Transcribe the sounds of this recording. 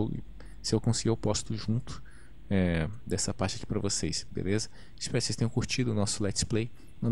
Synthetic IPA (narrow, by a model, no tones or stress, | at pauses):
wɪ̰ | sɪewkõsɪɡiowpɔzt̪ʊʒũnt̪ʊ̥ | ɛd̪ɛsɐpaɾt͡ʃɪɐkipɾɐvosejsbḛlezɐ | ɪspɛɾʊksest̪ẽʊ̃kuɾt͡ʃid̪ʊnɔsʊlɛt͡ʃplej | nɐ̃